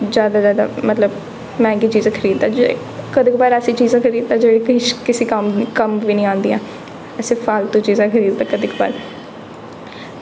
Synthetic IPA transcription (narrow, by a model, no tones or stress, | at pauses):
zjaːd̪aːzjaːd̪a̰ːmət̪ləb | mɛ̃ːɡiːt͡ʃiːzãːkʰəɾiːd̪aːd͡ʒ | kəd̪ɪkbaːɾəsiːt͡ʃiːzãːkʰəɾiːd̪t̪ãːd͡ʒeːɽikʃkɪsiːkəmkəmʋiːnĩːãːnd̪iːãː | ɛsepʰaːlt̪õːt͡ʃiːzãːkʰəɾiːd̪̚t̪ãːkəd̪ɪkba̰ːɾ